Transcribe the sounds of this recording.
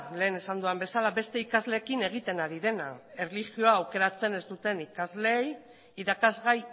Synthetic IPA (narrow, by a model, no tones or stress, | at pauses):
le̞ːne̞sand̪uambe̞salaβe̞st̪e̞ikazle̞ːkine̞ɣ̞it̪e̞naɾið̞e̞na̰e̞relixio̞aːwke̞ɾat͡se̞ne̞zt̪ut̪e̞nikazle̞j | iɾakazɣaj